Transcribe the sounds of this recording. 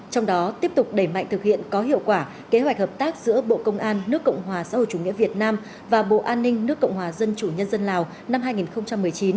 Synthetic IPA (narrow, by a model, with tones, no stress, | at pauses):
t͡ɕɔ˧wŋ͡mɗɔ˨˦t̪i˦˥əp̚t̪ʊ˨˩k͡p̚ɗe˧˩ma̰˧˨jŋ̟t̪ʰɨ˨˩k̚hḭ˧˨ənkɔ˨˦ɦḭ˧˨ə˨wkwaː˧˩ | ke˨˦ɦwa˨˩k̟̚həː˨˩p̚t̪aː˦˥k̚zɨ̰˧˥əɓo̰˧˨kə˧wŋ͡mʔaː˧nːɨ˦˥əkːə̰˧˨wŋ͡mɦwaː˨˩sa̰˧˥ho̰˧˨j̚t͡ɕu˧˩ŋḭ˧˥əvi˨˩ət̚naː˧m | vaː˨˩ɓo̰˧˨ʔaː˧nːï˧ŋ̟nɨ˦˥əkːə̰˧˨wŋ͡mɦwaː˨˩zə˧nt͡ɕu˧˩ɲə˧nzə˧nlaː˨˩w | na˧mhaː˧jŋi˨˩nxə˧wŋ͡mt͡ɕa˧mːɨ˨˩əjt͡ɕi˨˦n